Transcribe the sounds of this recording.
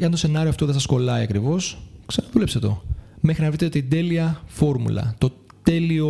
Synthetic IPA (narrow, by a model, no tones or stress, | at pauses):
eɐnt̪o̞se̞nɐɾioɐft̪o̞ðesɐsko̞lɐiɐkɾivo̞sksɐnɐðulepset̪o̞̰me̞xɾinɐvɾit̪eot̪id̪e̞liɐfo̞ɾmṵlɐ̰t̪o̞ | t̪e̞lio